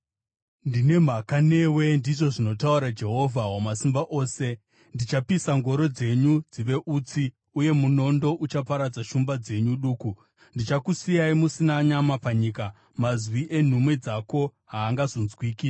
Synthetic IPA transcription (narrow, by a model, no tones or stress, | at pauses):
ndine̞m̤akane̞we̞ndiʐo̞ʐino̞tauɾad͡ʒe̞ɦo̞vʱawamasimbaʔo̞ːse̞ | ndit͡ʃapisaŋɡo̞ɾo̞d͡ze̞ɲud͡ziʋe̞ʔut͡si | uje̞muno̞ndo̞ʔut͡ʃapaɾad͡zaʃumbad͡ze̞ɲuɗuːku | ndit͡ʃakusijaimusinaɲamapaɲiːka | mazwiʔe̞n̤umwe̞d͡zako̞ɦaːŋɡazo̞nzwiːki